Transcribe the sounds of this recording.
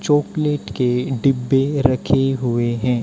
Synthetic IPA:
t͡ʃoːkleːʈkeɖɪbːeɾɐkʰeɦʊeɦɛ̃ː

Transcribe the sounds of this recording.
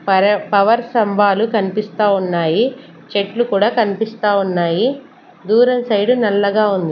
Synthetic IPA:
ppɐʋɐɾsɐmʋaːlukɐnipist̪aːunːaːji | t͡ʃe̞ʈlukuːɽaːkɐnipist̪aːunːaːji | d̪uːɾɐnsɐjɽunɐlːɐɡaːund̪i

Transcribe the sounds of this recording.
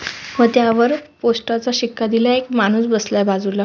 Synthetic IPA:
ʋət̪jaʋəɾposʈat͡saɕikːad̪ilaekmañuːsbəslabad͡zula

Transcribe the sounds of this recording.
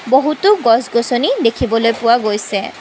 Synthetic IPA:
boɦutʊɡɔzɡosonidekʰibɔlojpʊwaɡojsɛ

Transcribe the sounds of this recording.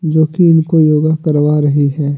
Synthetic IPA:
d͡ʒoːkiɪnkojoːɡakɐɾʋaɾɐɦiɦɛː

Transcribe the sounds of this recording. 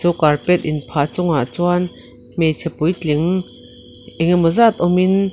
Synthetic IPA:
t͡suːkarpɛt̪̚ʔɪnpʰaːt͡sʊŋaʔt͡suan | mejt͡sʰɛpujt͡ɬɪŋ | ʔiŋmɔzat̪̚ʔɔmɪn

